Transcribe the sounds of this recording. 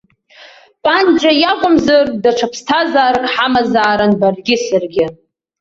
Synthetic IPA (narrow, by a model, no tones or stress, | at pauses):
pʼand͡ʒʼajakʷʼʊmzardaʈ͡ʂʰapʰstʰazaːrkʼħamazaːɾanbarɡʲɪsarɡʲɪ